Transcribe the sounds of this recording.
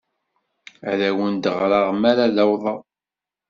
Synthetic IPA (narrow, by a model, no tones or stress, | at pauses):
æðæwənd̪əʁɾˤɑʁmaɾaðæwðˤɑ